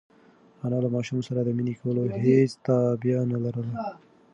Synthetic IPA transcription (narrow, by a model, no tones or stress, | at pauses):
anɑlamɑʃumsaɾad̪əminikʰawəlohet͡st̪abjanalaɾəla